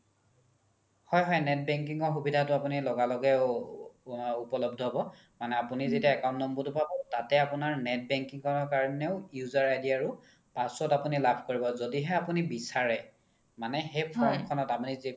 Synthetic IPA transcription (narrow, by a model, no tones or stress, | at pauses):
hɔjɦɔjnɛt̚bɛŋk̬iŋɔɹxubidʱatʊapunilɔɡalɔɡɛ | upɔlɔbdʱɔɦbɔ | manɛapunizetiaɛkaʊ̃ntnɔmbɔtʊpabɔtatɛapunaɹnɛt̚bɛŋkiŋkɔnɔɹkaɹɔnɛʊjuzaɹajdiaɹʊ | pasɔtapunilabʱkoɹibɔzodiɦɛapunibisaɹɛ | manɛxejpʰɹɔntkʰɔnɔtapunizi